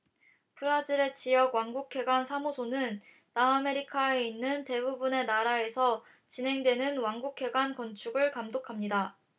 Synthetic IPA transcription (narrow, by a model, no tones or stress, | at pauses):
pʰɯɾad͡ʑiɾe̞t͡ɕijʌɡwaŋɡukʰe̞ɡwansʰamosʰonɯnː | aːme̞ɾikʰaeinːɯnte̞bubune̞naɾae̞sʰʌ | t͡ɕinɦe̞ŋdwe̞nɯnwaŋɡukʰe̞ɡwankʌnt͡ɕʰuɡɯɭkamdokʰamɲida